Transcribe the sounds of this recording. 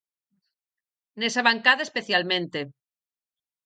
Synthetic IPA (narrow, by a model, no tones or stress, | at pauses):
nesaβaŋkaðaespeθjalmẽnt̪e